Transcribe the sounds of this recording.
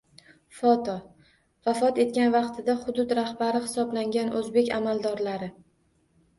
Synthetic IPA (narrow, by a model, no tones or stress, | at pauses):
fɒt̪ʰɒ | vafɒt̪e̞t̪̚kʲanvɑqt̪ʰɪd̪aχʊd̪ʊd̪ɾahbaɾɪhɪ̥sɒblaŋɡʲanʔɵzbe̞kʲamalˠd̪ɒɾlaɾɪ